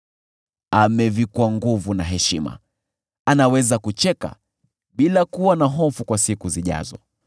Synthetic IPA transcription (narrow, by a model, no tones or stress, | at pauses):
amɛvikwaŋɡuvunaɦɛʃima̰ | anawɛzakut͡ʃɛka̰ | ɓilakuwanaɦɔfukwasikuziʄa̰zɔ̰